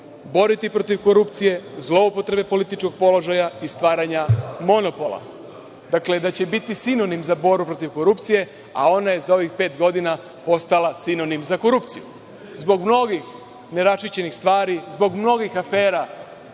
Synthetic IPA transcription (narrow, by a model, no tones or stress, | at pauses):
bo̞ɾit̪ipɾo̞t̪iʋko̞ɾupt̪sije̞zlo̞upo̞t̪ɾe̞be̞po̞lit̪it͡ʃko̞ɡ̚po̞lo̞ʒajaist̪ʋaːɾaɲamo̞no̞po̞la̰ | d̪̥akle̞d̪at͡ɕebit̪isino̞nimzabo̞ɾbupɾo̞t̪iʋko̞ɾupt̪sije̞ | a̰o̞naje̞zao̞ʋixpe̞ːt̪ɡo̞d̪ina | po̞st̪alasino̞nimzako̞ɾupt̪sijṵ | zbo̞ɡmno̞ɡix | ne̞ɾat͡ʃit͡ɕe̞nixst̪ʋaːɾizbo̞ɡmno̞ɡixafe̞ːɾa